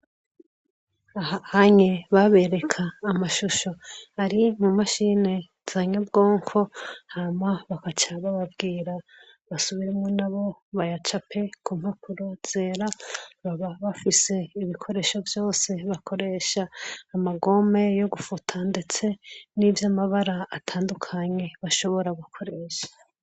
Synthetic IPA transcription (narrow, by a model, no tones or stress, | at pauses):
ahahaɲeβaβe̞ɾe̞kʰaːmaʃuʃo̞haɾimumaʃine̞ | z̥aɲabɡo̞ːŋkʰo̞hamaβakat͡ʃaβaβabɡiːɾa | βasuβiɾemŋonaβo̞βajat͡ʃapʰe̞kʰumhapuɾoz̥e̞ɾaβaβaβafise̞iβikʰo̞ɾe̞ːʃo̞vjo̞ːse̞βakʰo̞ɾe̞ʃaːmaɡo̞me̞jo̞ɡufutʰande̞t͡se̞nivjamaβaɾaːtʰaːndukʰaɲe̞βaʃo̞βo̞ɾaɡukʰo̞ɾe̞ːʃḁ